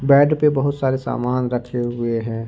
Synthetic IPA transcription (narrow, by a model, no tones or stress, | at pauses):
bɛːɖpebɐɦʊt̪saːɾesa̰ːmaːnɾɐkʰeɦʊeɦɛ̃ː